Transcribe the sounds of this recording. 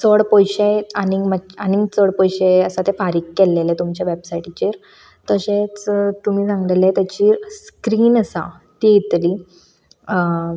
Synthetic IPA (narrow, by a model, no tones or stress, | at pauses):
t͡səɽpɔjɕeaniɡməaniŋɡt͡səɽpɔjɕeəsat̪efaɾiːkːelːelet̪umt͡ɕjaʋebsaʈit͡ɕeɾ | t̪əɕẽt͡st̪um̤iːsãŋɡlelet̪jat͡ɕiːɾskɾiːnəsa̰ | t̪iit̪liː